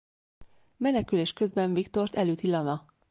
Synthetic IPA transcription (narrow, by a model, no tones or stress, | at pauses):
mɛnɛkyleːʃkø̞zbɛɱvikt̪o̞rt̪ɛløːt̪ilːɒnɒ